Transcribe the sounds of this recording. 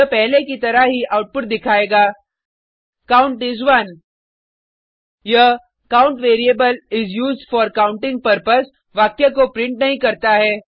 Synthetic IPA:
jɐpɛɦlekit̪ɐɾaɦiʔaʊʈ̚pʊʈ̚d̪ɪkʰaːeːɡaː | kaːʊ̃ɳʈɪzʋɐn | jɐ | kaːʊ̃ɳʈʋeːɾiebəlɪzjuːzɖfɔːɾkaʊ̃ɳʈɪ̃ŋɡ̚pɐɾpəs | ʋaːkjakopɾɪ̃ɳʈnɐɦĩkɐɾt̪aɦɛː

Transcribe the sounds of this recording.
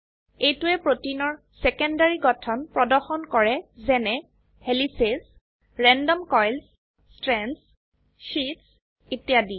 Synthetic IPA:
ejtuɛpɹotinɔɹ | sɛkɔndaɹiɡɔtʰɔnpɹɔdɔɹxɔnkɔɹɛzɛnɛ | helises | ɹɛndɔmkɔjls | stɹɛns | ʃits | etijadi

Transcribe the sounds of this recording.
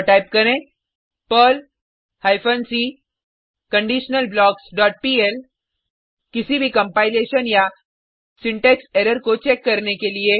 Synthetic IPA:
ʈaːɪp̚kɐɾẽː | pəl | haːɪpʰənsiː | kɐ̃ɳɖiːʃnəlblɔːksɖɔːʈ̚piːel | kɪsibʱikɐ̃mpaːɪleːʃənja | sɪ̃ɳʈeːkseːɾəɾkot͡ʃeːkːɐɾnekelie

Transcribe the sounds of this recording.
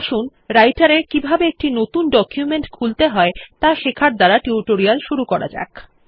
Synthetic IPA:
ʃun | ɾajʈaɾeɾkibʱabeek̚ʈinot̪unɖɔkjumeɳʈkʰult̪eɦɔet̪aʃekʰaɾd̪aɾaʈiuʈoɾialʃuɾukɔɾa̰d͡ʑa̰k

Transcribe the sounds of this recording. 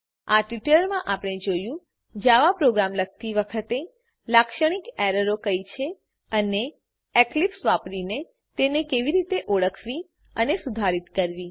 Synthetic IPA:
aʈʋiʈləɾmãʔapəɳ̃ed͡ʒojũ | d͡ʒaʋapɾoɡɾamlək̚ʰt̪iʋəkʰət̪e | lakʃəɽ̃ikɛɾəɾokəjt͡ʃʰe | əne | eklipsʋapɽine | t̪enekeʋiɾit̪eʔoɭəkʰʋi | ənesud̪ʱaɾit̪kəɾʋi

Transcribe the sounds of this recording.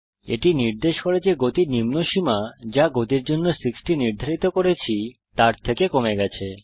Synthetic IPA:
ḛʈiniɾd̪eʃkoɾed͡ʑeɡot̪iɾnimnoʃimad͡ʑaɡot̪iɾd͡ʑonːosiksʈiniɾd̪ʱaɾit̪okoɾet͡ɕʰit̪aɾt̪ʰekekomeɡɛt͡ɕʰe

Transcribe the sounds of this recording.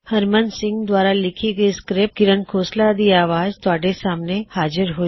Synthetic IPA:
həɾmənsɪ̃ŋɡd̪wʋaːɾalɪkʰiɡəiskɾep̚ɡɪɾənkʰoːslad̪iaːʋaːzt̪oaːɖesaːmnehaːd͡ʒəɾɦoː

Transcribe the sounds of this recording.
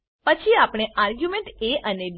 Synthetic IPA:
pət͡ʃʰiapɽ̃eʔaɾɡjumeɳʈeʔəneb

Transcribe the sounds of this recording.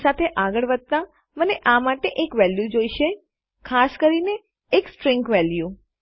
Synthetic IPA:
sat̪ʰeʔaɡəɭʋəd̪̚t̪a | məneʔamaʈeʔekʋɛljud͡ʒoiʃe | kʰaskəɾineː | ksʈɾɪ̃ŋkʋɛlju

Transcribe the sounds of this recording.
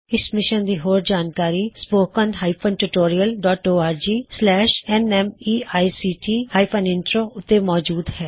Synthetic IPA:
ɪsmɪʃənd̪iːɦoːɾd͡ʒaːnkaːɾiːspoːkənɦaːɪpʰənʈuʈoːɾiəlɖɔːʈoːaːɾd͡ʒiːslɛːʃɛnɛmiːaːisiːʈiːhaːipʰənɪnʈɾoːʊt̪ːemɔːd͡ʒuːd̪hɛː

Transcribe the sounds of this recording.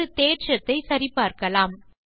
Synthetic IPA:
ɯt̪eːʈʂɐt̪ːɐɪsɐɾɪpːaːɾkɐlaːm

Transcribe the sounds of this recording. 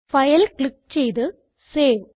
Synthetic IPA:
fɐjɐlkɭik̚t͡ɕejt̪ɨ | seːʋ

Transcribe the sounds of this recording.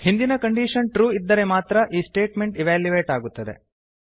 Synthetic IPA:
hind̪inɐkɐɳɖiːʂɐnʈɾuːid̪ːɐɾe̞maːt̪ɾɐʔiːsʈe̞ːʈme̞ɳʈiʋaːljuʋeːʈaːɡut̪ːɐd̪e̞̰

